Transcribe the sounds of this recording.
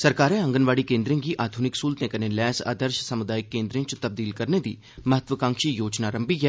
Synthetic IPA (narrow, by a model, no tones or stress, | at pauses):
səɾkaːɾẽɐ̃ŋɡənʋaːɽikẽːnd̪ɾẽŋɡiʔaːd̪ʱunɪksuːlt̪ẽkɐnẽlɛːsa̰ːd̪əɾʃsəmʊd̪aːjɪkːẽːnd̪ɾĩt͡ʃt̪ɐb̚d̪iːlkɐɾned̪ḭː | mɐɦət̪ʋəkãːŋkʃijoːd͡ʒnaɾɐ̃mbiɦɛː